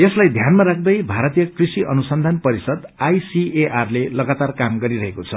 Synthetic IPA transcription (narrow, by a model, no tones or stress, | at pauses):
eslajd̪ʱjanmaɾak̚ʰd̪ʌjbʱaɾʌt̪ijʌkrisiʔʌnusʌnd̪ʱanpʌɾisʌd̪ajsieʔarlelʌɡat̪arkamɡʌɾiɾʌɦekot͡sʰʌ